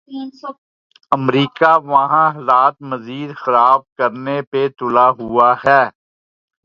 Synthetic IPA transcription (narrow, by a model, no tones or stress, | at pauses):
ɐmɾiːkaʋɐɦãɦlaːt̪mɐziːd̪xɐɾaːb̚kɐɾnepet̪ʊlaɦʊahɛː